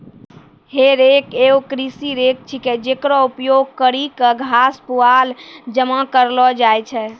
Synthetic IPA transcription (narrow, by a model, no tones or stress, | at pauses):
heɾekeokɾisiɾek̚t͡ʃʰiked͡ʒekɾɔupjoɡ̚kəɾikəɡʱaspuald͡ʒəmakəɾlɔd͡ʒajt͡ʃʰɛ